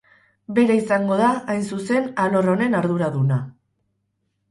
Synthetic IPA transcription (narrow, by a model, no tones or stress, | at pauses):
be̞ɾaisaŋɡo̞ð̞aːjnsuse̞nalo̞ro̞ne̞naɾðuɾaðuna